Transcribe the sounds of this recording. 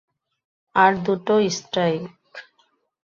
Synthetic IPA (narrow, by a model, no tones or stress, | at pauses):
aɾd̪uʈoisʈɾaik